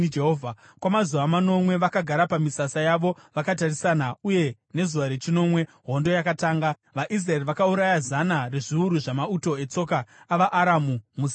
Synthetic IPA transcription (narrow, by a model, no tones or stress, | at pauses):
d͡ʒeɦoːvʱa | kwamazuʋamano̞mwe̞ʋakaɡʱaɾapamisasajaʋo̞ʋakatarisanauje̞ | ne̞zuʋaɾe̞t͡ʃino̞mwe̞ | ɦo̞ndo̞jakataːŋɡa | ʋaʔis̬raeriʋakauɾajazanare̞ʐiuɾuʐamauto̞e̞t͡so̞kaːʋaʔːɾamumus